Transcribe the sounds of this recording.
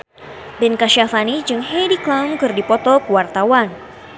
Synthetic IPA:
bɛnkaʃiafanid͡ʒɨŋɦɛdiklamkɨrdipɔt̪ɔkəwart̪awan

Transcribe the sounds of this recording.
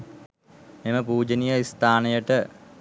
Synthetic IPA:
meməpuːd͡ʒənijəist̪ʰaːnəjəʈə

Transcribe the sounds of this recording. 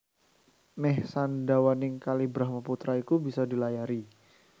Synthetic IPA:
mɛhsandawanɪŋkalibɾahmaput̪ɾaikubisadilajaɾi

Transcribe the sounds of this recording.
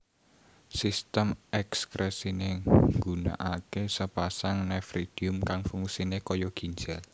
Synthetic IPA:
sist̪əmɛkskɾɛsineŋɡuna̰ʔakesəpasaŋnɛfɾid̪̥iʊmkaŋfuŋusinekɔjɔɡ̥i̤ɲd͡ʒal

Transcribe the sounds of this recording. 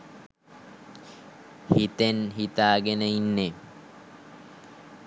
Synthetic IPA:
hit̪enɦit̪aːɡenəinːe

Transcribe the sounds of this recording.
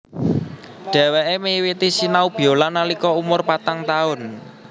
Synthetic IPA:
ɖ̥ɛ̤weʔemewit̪isinaub̥i̤olanalikɔumʊrpat̪aŋt̪aʊn

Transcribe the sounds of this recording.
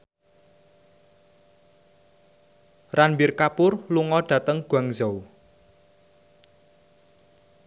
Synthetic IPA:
ranbirkapʊrluŋɔɖ̥ä̤t̪əŋɡ̥a̤ŋzɔw

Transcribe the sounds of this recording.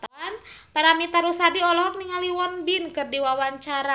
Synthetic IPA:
t̪anpaɾamit̪aɾusadiɔlɔɦɔk̚niŋaliwɔnbinkɨrdiwawaɲt͡ʃaɾa

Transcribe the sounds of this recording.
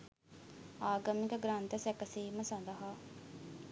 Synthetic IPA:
aːɡɐmikəɡɾant̪əsækəsiːməsand̪ɐɦaː

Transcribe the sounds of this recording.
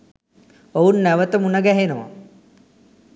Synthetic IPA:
ounːæʋət̪əmunəɡæɦenəʋa̰

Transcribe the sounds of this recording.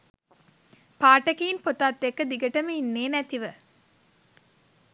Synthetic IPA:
paːʈɐkiːnpot̪aːt̪ːekːəd̪iɡəʈəməinːeːnæt̪iʋə

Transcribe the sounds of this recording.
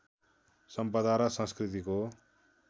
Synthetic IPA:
sʌmpʌd̪ʱaɾasʌ̃nskrit̪iko

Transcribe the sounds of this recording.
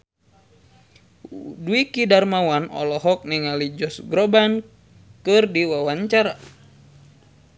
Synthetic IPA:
duikidarmawanɔ̰lɔɦɔk̚niŋalid͡ʒɔsɡɾɔban | kɨrdiwawaɲt͡ʃaɾa

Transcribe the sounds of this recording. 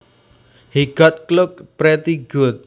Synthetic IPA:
hiɡ̥ɔt̪̚klʊk̚pɾet̪iɡʊt̪̚

